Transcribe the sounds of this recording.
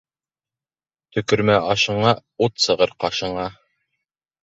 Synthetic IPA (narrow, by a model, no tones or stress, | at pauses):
t̪ɵ̆kɵ̆ɾmæʔɑʃɤ̆ɴɑ | ut̪sɤ̆ʁɤɾqɑʃɤ̆ɴɑ